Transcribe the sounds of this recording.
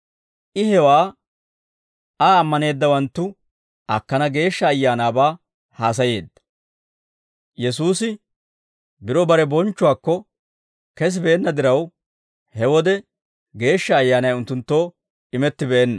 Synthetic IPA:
ʔɪhɛwaː | aːmːɐne̞ːd̪ːɐwɐnt̪ːʊ | ʔɐkːɐnɐɡe̞ːʃːɐːjːaːnaːbaː | haːs̬ɐje̞ːd̪ːɐ̥ | jɛs̬uːsɪ | bɪɾɔbɐɾɛbɔnt͡ʃːʊwaːkːɔ | kɛs̬ɪbeːnːɐd̪ɪɾɐw | hɛwɔd̪ɛ | ɡe̞ːʃːɐːjːaːnɐjʊnt̪ːʊnt̪ːo̞ː | ɪmɛt̪ːɪbɛɛnːɐ

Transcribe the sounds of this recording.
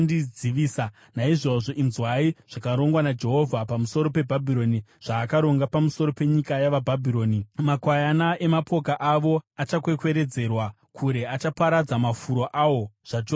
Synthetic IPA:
did͡ziʋiːsa | naiʐo̞ʐo̞ʔinzwaiʐ̥akaɾo̞ŋɡwanad͡ʒe̞ɦo̞vʱapamuso̞ɾo̞pe̞bʱabʱiɾo̞niʐ̥aːkaɾo̞ŋɡapamuso̞ɾo̞pe̞ɲikajaʋabʱabʱiɾo̞ːnimakwajanae̞mapo̞kaʔaʋo̞at͡ʃakwe̞kwe̞ɾe̞d͡ze̞rwa | kʰuɾe̞at͡ʃapaɾad͡zamafuɾo̞ʔawo̞ʐ̥at͡ʃo

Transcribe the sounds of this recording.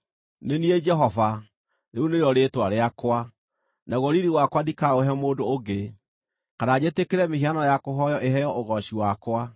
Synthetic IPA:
nenied͡ʒɛɦɔva | neuneɾeɔɾetwaɾeakwa | naɣɔɾiɾiwakwadikaoɦɛmoːdooɡe | kanad͡ʑetekeɾɛmeɦianɔjakoɦɔjɔʔeɦɛjɔoɣɔɕiwakwa

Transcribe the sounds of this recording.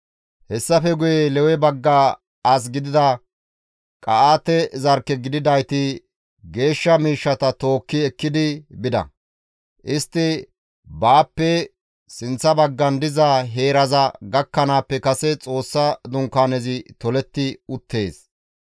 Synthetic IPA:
hɛsːɐfɛɡʊjɛlɛwɛbɐɡːaː | as̬ɡɪd̪ɪd̪ɐ | kʼɐʔaːt̪ɛzɐɾkːɛɡɪd̪ɪd̪ɐjt̪ɪ | ɡe̞ːʃːɐmiːʃːɐt̪ɐt̪o̞ːkːɪɛkːɪd̪ɪbɪd̪ɐ̰ | ʔɪst̪ːɪ | baːpːɛ | sɪnt͡sːɐbɐɡːɐnd̪ɪzɐɦe̞ːɾɐzɐɡɐkːɐnaːpːɛkɐsɛt͡sʼo̞ːsːɐd̪ʊŋkːaːnɛzɪt̪ɔlɛt̪ːɪʊt̪ːe̞ːs

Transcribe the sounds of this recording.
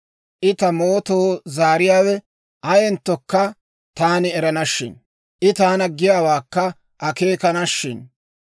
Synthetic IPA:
ʔɪt̪ɐmo̞ːt̪o̞ːzaːɾɪjaːwɛ | ʔɐjɛnt̪ːɔkːɐ | t̪aːnɪɛɾɐnɐʃːɪ̰n | ʔɪt̪aːnɐɡɪjaːwaːkːɐ | ʔɐke̞ːkɐnɐʃːɪn

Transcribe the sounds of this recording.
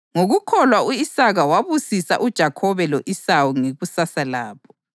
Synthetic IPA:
ŋoɣukʰɔlwauisaɣawaβusisa̰ʔud̥ʒ̥ʱakʰɔβɛloʔisawuŋeɣusasalaːpʰɔ̥

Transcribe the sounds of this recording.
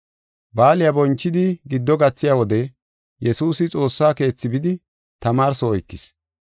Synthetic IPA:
baːlɪjabɔnt͡ʃːɪd̪ɪɡɪd̪ːɔɡɐt͡sːɪjawɔd̪ɛ | jɛsuːsɪt͡sʼo̞ːsːaːke̞ːt͡sːɪbɪd̪ɪ | t̪ɐmaːɾsɔɔjkːɪs

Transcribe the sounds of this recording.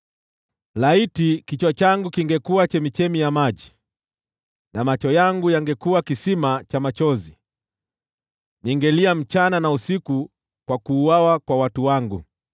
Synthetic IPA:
laitikit͡ʃwat͡ʃaŋɡukiŋɡɛkuat͡ʃɛmit͡ʃɛmijamaʄi | namat͡ʃɔjaŋɡujaŋɡɛkuakisimat͡ʃamat͡ʃɔzi | niŋɡɛliam̩t͡ʃananausiku | kwakuːwawakwawatuwaŋɡu

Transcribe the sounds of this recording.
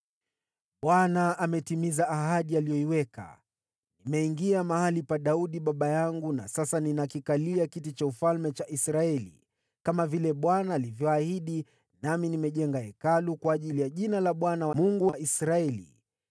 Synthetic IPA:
ɓwanaʔamɛtimizaːɦaɗialijɔiwɛka̰ | nimɛiŋɡiamahalipaɗauɗiɓaɓajaŋɡuna̰sasaninakikaliakitit͡ʃaufalmɛt͡ʃaʔisɾaɛlḭ | kamavilɛɓwanaːlivjɔahiɗi | naminimɛʄɛŋɡaɛkalukwaːʄilijaʄinalaɓwanawmuŋɡuwaʔisɾaɛlḭ

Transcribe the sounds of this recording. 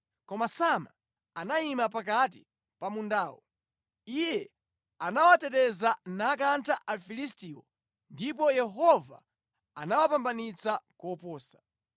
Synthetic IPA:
kɔmasama | anaimapak̬at̬i | pamundaːwɔ̰ | ijɛ | anawatɛtɛzanak̬antʰaʔafilistiːwɔ | ndip̬ɔjɛɦɔva̰ | anawapambanit͡sakɔpɔːsḁ

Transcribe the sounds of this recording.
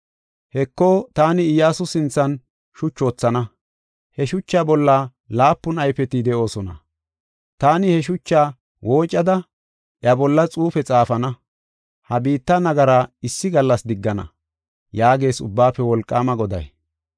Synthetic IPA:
hɛkːoːt̪aːnɪɪjaːsʊsɪnt͡sːɐn | ʃʊt͡ʃːo̞ːt͡sːɐnɐ | hɛʃʊt͡ʃːaːbɔlːa | laːpːʊnɐjfɛt̪ɪd̪ɛʔo̞ːsɔnɐ̰ | t̪aːnɪhɛʃ̬ʊt͡ʃːaː | wʔo̞ːt͡ʃʼːɐd̪ɐ | ʔjɐbɔlːɐt͡sʼuːfɛt͡sʼaːfɐnɐ | hɐbiːt̪ːɐnɐɡɐɾaːɪsːɪɡɐlːɐsd̪ɪɡːɐnɐ̰ | jaːɡe̞ːsʊ̰bːaːpːɛwɔlkʼːaːmɐɡɔd̪ɐ̰j

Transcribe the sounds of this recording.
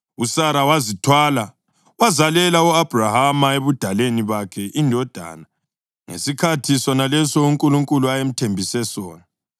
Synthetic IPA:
usaɾawazitʰwala | wazalɛlauab̥ʱrahamaeβud̥ʱaleniβakʰɛʔindʱɔd̥ʱa̰ːna | ŋḛsikʰatʰisɔnalɛsɔuŋkʼuluŋkʼuluajem̩tʰembʱisɛsɔːna

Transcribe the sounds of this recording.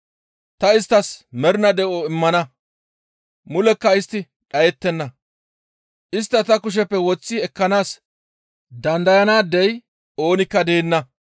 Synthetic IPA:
t̪ɐɪst̪ːɐsmɛɾɪnɐd̪ɛʔoɪmːɐnɐ | mʊlɛkːɐɪst̪ːɪ | ɗɐjɛt̪ːɛnːɐ | ʔɪs̬t̪ːɐt̪ɐkʊʃ̬ɛpːɛwɔt͡sːɪɛkːɐnaːs | d̪ɐnd̪ɐjɐnaːd̪ːɛj | o̞ːnɪkːɐd̪e̞ːnːɐ

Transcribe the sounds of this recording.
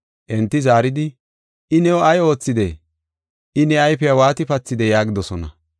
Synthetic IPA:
ʔɛnt̪ːɪzaːɾɪd̪ɪ | ʔɪnɛwɔɐjo̞ːt͡sːɪd̪ɛ | ʔɪnɛɐjpɛjawaːt̪ɪpɐt͡sːɪd̪ɛjaːɡɪd̪ɔsɔnɐ̰

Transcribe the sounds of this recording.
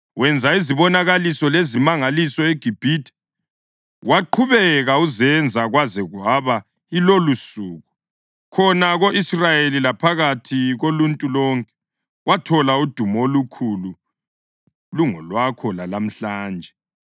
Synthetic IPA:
wɛnd͡zʱaiziβɔnaɣalisɔlezimaŋalisɔeɡ̥ʱib̥ʱitʰʼɛ̥ | wʔaǃʰuβɛɣauzɛnd͡zʱaɣwazɛɣwaβa | ilolusuːɣu | kʰɔnaɣoʔisrajelilapʰaɣatʰiɣoluntʼulɔŋkʼɛ̥ | watʰɔlaud̥ʱumolukʰulu | luŋɔlwakʰɔlalam̩ɬaːnd͡ʒʱɛ

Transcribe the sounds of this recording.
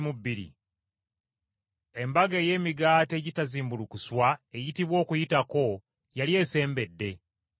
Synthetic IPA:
mubːiɾḭ | e̞mbaɡe̞ːje̞ːmiɡaːte̞ːɟitaziːmbulukuswaejitiβwo̞ːkujitako̞ | jalje̞ːse̞ːmbe̞dːe̞

